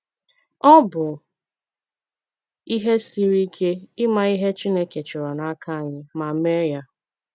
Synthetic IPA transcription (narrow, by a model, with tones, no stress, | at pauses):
ɔ˦bʊ˨ | i˦ɦe˦si˦ɾi˦kʰe˦ɪ˦ma˦i˦ɦe˦t͡ʃi˦ne˦ke˨t͡ʃɪ˨ɾɔ˨na˨a˦ka˦a˨ɲɪ˦ma˨me˦ja˦